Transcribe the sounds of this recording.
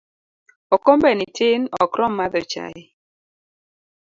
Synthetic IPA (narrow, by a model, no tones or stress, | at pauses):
okombenitɪnɔkɾɔmːaðət͡ʃa̰ɪ